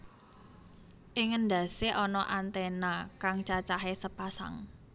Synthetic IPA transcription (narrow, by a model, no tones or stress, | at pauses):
ʔɪŋːənd̪a̤seʔɔnɔʔant̪ɛnakaŋt͡ʃat͡ʃaɦesəpasa̰ŋ